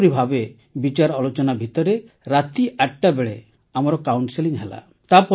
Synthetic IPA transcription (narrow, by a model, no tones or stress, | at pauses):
ɾibʱabe | bit͡ʃaɾɔlot͡ʃɔnabʱit̪ɔɾe | ɾat̪iʔaʈʈabeɭe | amɔɾɔkawɳʈseliŋɦela̰ | t̪apɔ